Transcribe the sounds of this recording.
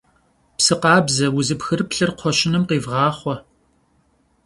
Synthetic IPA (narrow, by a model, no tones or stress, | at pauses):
psɨqɑːbzɐwʊzɨpxɨrpɬɨrqʷʰɔɕɪnɨmqiːvʁɑːχʷɔ